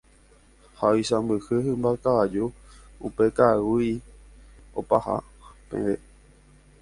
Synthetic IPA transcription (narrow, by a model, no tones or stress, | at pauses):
haojsãmbɨhɨhɨ̃mbakaad͡ʒuupekawuj | o̰paha̰ | pḛ̃ʋe